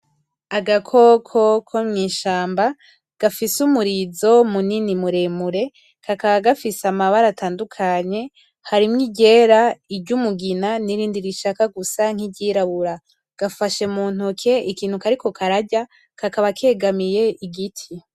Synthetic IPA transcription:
aɡakʰo̞kʰokʰomŋiːʃaːmba | ɡ̥afisumuɾizo̞muninimuɾe̞muɾe̞ | kʰakaβaɡafisamaβaɾatʰaːndukʰaɲe̞ | haɾimŋiɟe̞ːɾaiɟumuɡinaniɾiːndiɾiʃakaɡusaŋ̥iɟiɾaβuɾa | ɡ̥afaʃe̞muːn̥hukʰe̞ʔikiːnhukaɾiko̞kʰaɾaɟa | kʰakaβakʰe̞ːɡamije̞ʔiɡitʰi

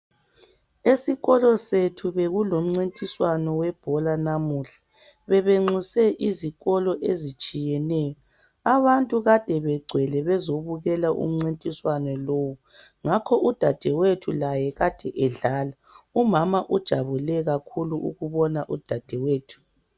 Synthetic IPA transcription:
esiɣɔlɔsetʰuβeɣulom̩ŋ͡ǀintʼiswanɔwɛb̥ʱɔlanamuɬḁ | βɛβeŋ͡ǀusɛʔiziɣɔlɔʔezit͡ʃʼijɛnɛjɔ | aβantʼuɣad̥ʱɛβɛɡ͡ǀʱwɛlɛβɛzoβuɣɛlaʔṵm̩ŋ͡ǀintʼiswanɛloːwu | ŋakʰɔʔud̥ʱad̥ʱɛwetʰulajɛɣad̥ʱɛʔɛɮaːla | umamaʔud̥ʒ̥ʱaβulɛɣakʰuluʔṵɣuβɔnaʔud̥ʱad̥ʱɛweːtʰu̥

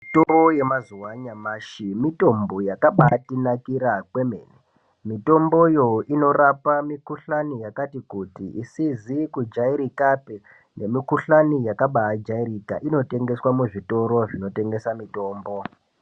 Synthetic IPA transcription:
toroje̞mazuwaɲamaːʃimito̞mbojakaɓatinakiɾakwe̞mḛːne | mito̞mbo̞jo̞ino̞rapamikuɬanijakatikutḭʔisizikud͡ʒaiɾikape | ne̞mikuɬanijakaɓaːd͡ʒaiɾika̰ʔino̞te̞ŋɡe̞swamuʐito̞ɾo̞ʐino̞te̞ŋɡe̞samito̞ːmbo̞

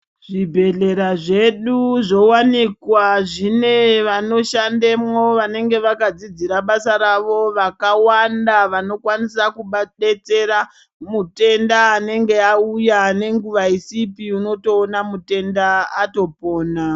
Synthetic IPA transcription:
ʐ̥ibʱe̞ɮe̞ɾaʐe̞ɗuʐo̞wanikwaʐine̞ʋano̞ʃandemwo̞ʋane̞ŋɡe̞ʋakad͡zid͡ziɾaɓasaɾaʋo̞ʋakawandaʋano̞kwanisakuɓaɗe̞t͡se̞ɾa | mute̞ndaːne̞ŋɡe̞aujane̞ŋɡuʋaisipiuno̞to̞ːnamute̞ndaːto̞po̞ːna

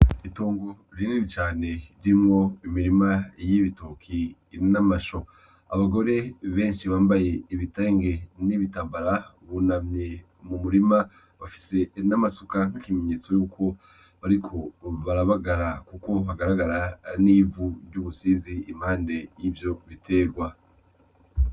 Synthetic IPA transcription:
iitoːŋɡo̞ | ɾininit͡ʃaːne̞iɾimŋo̞imiɾimajiβitokʰi | namaʃo̞ | a̰βaɡo̞ɾe̞βe̞ːnʃiβaːmbaje̞iβiteːŋɡe̞niβitaːmbaɾa | βunamɲe | mumuɾima | βafi̥se̞namasukakime̞ɲeːt͡so̞juːkʰo̞ | βaɾikʰo̞βaɾaβaɡaɾakuko̞βaɡaɾaɡaɾaniːvuɾjuːβusiziːm̥haːnde̞jivjo̞βitʰe̞ɡwa

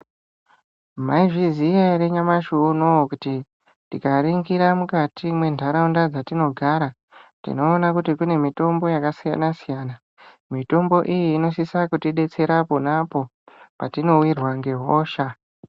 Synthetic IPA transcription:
maiʐizijaɾe̞ɲamaʃunokuti | tikariŋɡiɾamukatʰimwe̞ndʱaɾaundad͡zatino̞ɡʱaɾa | tḭno̞ːnakutikune̞mito̞mbo̞jakasija̰nasijaːna | mito̞mbo̞ʔijiːno̞sisakutiɗe̞t͡se̞ɾaponapo̞ | patino̞wirwaŋɡe̞ɦoːʃa

